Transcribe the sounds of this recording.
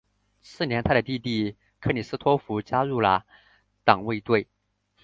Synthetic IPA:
sɹ̩˥˩njɛ˧˥nt̪ʰa˥ɾə˨t̪i˥˧t̪i˥˩ | kʰɤ˥˩ni˨˩sɹ̩˥t̪ʰwɔ˥fu˧˥t͡ɕja˥ɻu˥˩lə̰˩ | t̪ɑ˨˩ŋwe˥˧ɪt̪we˥˩ɪ

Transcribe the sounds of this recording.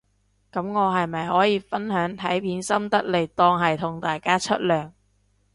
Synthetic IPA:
kɐ˨˥mŋɔː˨˧ɦɐ˨jmɐ˨jhɔː˨˥jiː˨˧fɐ˥nɦœː˨˥ŋt̪ʰɐ˨˥jpʰiː˨˥nsɐ˥mt̪ɐ˥k̚le˨˩jt̪ɔː˧ŋɦɐ˨jt̪ʰʊ˨˩ŋt̪aː˨jkaː˥t͡ʃʰɵ˥t̚lœː˨ŋ

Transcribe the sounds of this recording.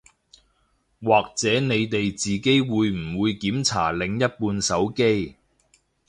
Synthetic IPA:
waː˨k̚t͡sɛː˨˥ne˨˧jt̪e˨jt͡siː˨ke˥jwuː˨˧jm̩˨˩wuː˨˧jkiː˨˥mt͡sʰa̰ː˨˩lɪ˨˧ŋjɐ˥t̚puː˧nsɐ˨˥wke˥j

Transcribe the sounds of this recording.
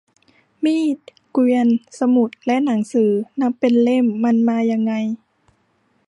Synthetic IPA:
miː˧˥˩t̪̚ | kwiː˧ənsa˧mu˨˩t̪̚lɛ˦˥ʔna˩˦ŋsɯː˩˦na˦˥pːe˨nle˥˨mːa˧˥˨nmaː˧ja˧ŋːa˧j

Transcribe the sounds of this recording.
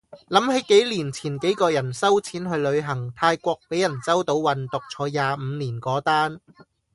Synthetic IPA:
lɐ˨˥mhe˨˥jke˨˥jliː˨˩nt͡sʰiː˨˩nke˨˥jkɔː˧jɐ˨˩nsɐ˥wt͡sʰiː˨˥nɦɵ˧ɥlɵ˨˧ɥɦɐ˨˩ŋt̪ʰaː˧jkʷɔː˧k̚pe˨˥jɐ˨˩nt͡sɐ˥wt̪o˨˧˥wwɐ˨nt̪ʊ˨k̚t͡sʰɔː˨˥jaː˨˧m̩˨˧niː˨˩nkɔː˨˥t̪aː˥n

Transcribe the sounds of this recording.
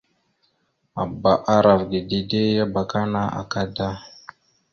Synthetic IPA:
a˨ba˨ʔa˦ɾa˨vdi˨di˨de˦ja˦ba˨ka˦na˦a̰˨ka˦da˦

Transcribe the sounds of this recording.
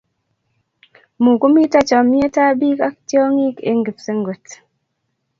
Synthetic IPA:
mu˨ko˦mi˦ta˦t͡ʃɔ˨mi˦e˦ta˦bi˦ka˦k̚tjɔ˦ŋi˦kḛ˨ŋɡi˨pse˦ŋɡo˨t

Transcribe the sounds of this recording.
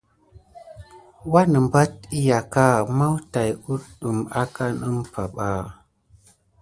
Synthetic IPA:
wa˦nə˨mba˦t̚i˦ja˨ka˦˨ma˦wta˨ju˦ɗɗə˨ma˦ka˦nə˦mpa˨ɓa˨

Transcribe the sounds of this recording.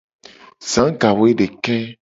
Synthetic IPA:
zã˨˦ɡa˨wo˦e˦ɖe˨kɛ˦

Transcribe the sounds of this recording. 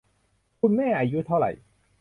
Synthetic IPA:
kʰu˧nmɛː˥˩ʔaː˧ju˦˥t̪ʰa˥˩wɾa̰˨˩j

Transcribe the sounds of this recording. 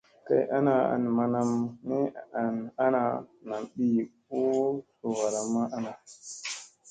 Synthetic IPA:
ka̰˨jʔa˦na˨a̰˨nma˨na˨mne˦a˨na˦na˨na˨mɓi˦ko˦so˨wa˨ɾa˨mːa˦ʔa˦na˨

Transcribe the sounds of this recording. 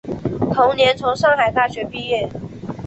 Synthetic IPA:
t̪ʰʊ˧˥ŋnjɛ˨˦nt͡sʰo˧˥ŋʂɑ˥˩ŋxa˨˩ɪkʰa˥˩ɕɥɛ˨˥pi˥˧jɛ˥˨n

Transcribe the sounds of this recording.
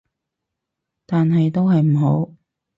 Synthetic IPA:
t̪aː˨nɦɐ˨jt̪o˥wɦɐ˨jm̩˨˩ɦo˨˥w

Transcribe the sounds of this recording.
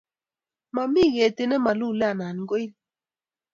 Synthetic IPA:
ma˨mi˦˨ɣe˨te˨nɛ˦ma˨lu˦˨lɛ˦a˨na˨n˨ŋɡo˦i˦l

